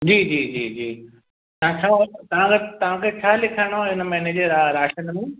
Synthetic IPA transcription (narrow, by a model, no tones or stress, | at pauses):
d͡ʑiːd͡ʑiːd͡ʑiːd͡ʑiː | t̪ɐãt͡ɕʰaːt̪ɐʋ̤ãkʰet̪ɐʋ̤ãkʰet͡ɕʰaːlɪkʰəɽ̃oɦɪnmɛːneːd͡ʑəɾaɾaːʃənmũː